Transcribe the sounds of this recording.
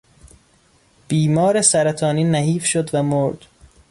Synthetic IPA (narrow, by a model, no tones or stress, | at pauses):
b̥iːmɒːɾesæɾæt̪ʰɒːniːnæɦiːfʃod̪væmoɾd̪̥